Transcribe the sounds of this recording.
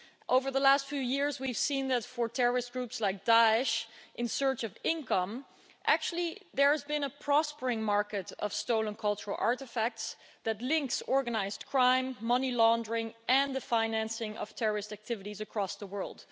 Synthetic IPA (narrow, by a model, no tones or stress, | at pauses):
ʔoʊvə˞ðəlæstfjʉjɪɹzwiv̥sĩnðɨtfə˞tʰɛɹə˞ɨst̚ɡ̥ɹupslaɪk̚d̥aɪɨʃʔɨ̃nsɜ˞t͡ʃʌvɪ̃nkʰʌ̃m | ʔæk̚t͡ʃʉl̩ˠiðə˞ɨzbɨ̃nəpʰɹ̥ɔspə˞ɪ̃ŋmɑɹkɨɾʌ̰v̥stoʊlˠə̃nkʰʌlˠt͡ʃəɹl̩ˠʔɑ̰ɹɾɨfæk̚ts | ðɨtˡlɪ̃ŋksɔɹɡənaɪzdkʰɹ̥ãɪ̃mːʌnilɔ̃ndəɹɪ̃ŋʔɨ̃nðɨfãɪ̃næ̃nsɪ̃ŋʔʌ̰v̥tʰɛɹə˞ɨstæk̚tʰɪvɨɾizɨkʰɹ̥ɔsðəwɜ˞lˠd̥